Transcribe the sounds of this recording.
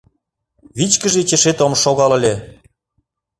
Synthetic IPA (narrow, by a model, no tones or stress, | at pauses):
βit͡ɕkə̆ʒet͡ɕĕʃet̪omʃoɣɑlə̆lʲe